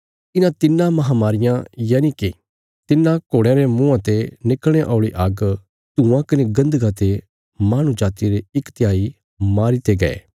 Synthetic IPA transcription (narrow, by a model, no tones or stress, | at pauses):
ɪnãt̪ɪnːãmɐɦamaːɾɪjãjaːniki | t̪ɪnːãkoːɽeɾemũãt̪enɪkɽ̃eʔɔ̰ːɭiʔaɡ | t̪ũːãkɐneɡɐ̃nd̪əɡãt̪e | maːɽ̃ud͡ʒaːt̪iɾeɪkt̪jaːi | maːɾit̪eɡɐḛː